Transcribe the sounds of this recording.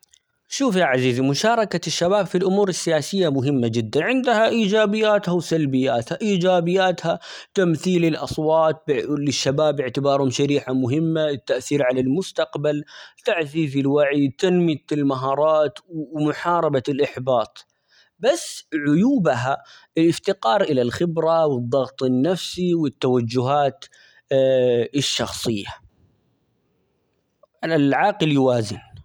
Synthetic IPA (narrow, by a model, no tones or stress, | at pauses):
ʃuːfjaʕaziːzimʊʃɑːɾˤɑkaʃːabaːbfilʔʊmuːɾɪsːɪjaːsɪjːamʊɦɪmːad͡ʒɪd̪ːanʕɪnd̪haʔiːd͡ʒaːbɪjːaːt̪hawsalbɪjːaːt̪haʔiːd͡ʒaːbɪjːaːt̪ha | t̪amθiːlɪlʔɑsˤwɑːt̪̚blɪʃːabaːbɪʕt̪ɪbɑːɾˤhʊmʃaɾiːħamʊɦɪmːaɪt̪ːaʔθiːɾʕalalmʊst̪ɑqbalt̪aʕziːzilwaʕit̪anmɪt̪ɪlmaɦɑːɾˤɑːt̪wwmʊħɑːɾˤɑbaɪlʔɪħbɑːt̪ˤ | basːʕʊjuːbaɦa | ɪlʔɪft̪ɪqɑːɾˤʔɪlalxɪbɾawɨd̪ˤːɑɣt̪ˤɪnːafsiwɪt̪ːawad͡ʒːʊɦaːt̪ | ɪʃːɑxsˤɨjːa | ʕalalʕɑːqljʊwaːzɪn